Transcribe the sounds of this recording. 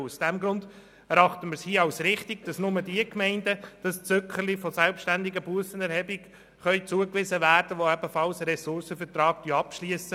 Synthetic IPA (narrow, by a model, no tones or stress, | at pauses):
usd̥ɛmɡɾʊnd | ɛɾɑχtəmɪɾshiəɑwsɾɪχtɪɡ̥̚d̥ɑsnʊmədiəkmɛɪndəd̥ɑst͡søkχəlifɔsɛlpʃtændɪɡəbuəsənɛɾhɛbik | χœʏt͡suəkʋɪzəvæːɾd̥əʋoɛbəfɑlsəɾɛsʊɾsəfɛɾtɾɑːɡ̥d̥yəɑpʃliəsə